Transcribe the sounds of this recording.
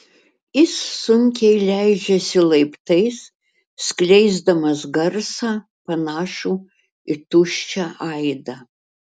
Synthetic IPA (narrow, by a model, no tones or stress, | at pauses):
jɪsːʊŋʲkʲɛɪlʲæɪd͡ʒʲɛsʲɪlˠɐɪpt̪ɐɪsː | klʲɛɪzd̪ɐmɐsɡɐrsɑː | pɐnɑːʃuː | ɪt̪ʊʃʲt͡ʃʲɛʔɐɪd̪ɐ